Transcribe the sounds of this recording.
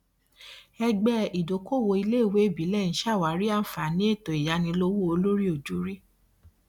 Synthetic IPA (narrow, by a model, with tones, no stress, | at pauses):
ɛ˧ɡ͡bɛ˧i˨do˨˦ko˦˨wo˧i˧le˦˨we˨˦˨bi˨˦lɛ˦˨ñ̩˨˦ʃa˦˨wa˨˦ɾi˦a˦˨n̩˨fa˨nĩ˨˦e˦˨to˨i˨ja˨˦nĩ˧lo˧wu˦o˧lo˦ɾi˦o˦˨d͡ʒu˨˦ɾi˦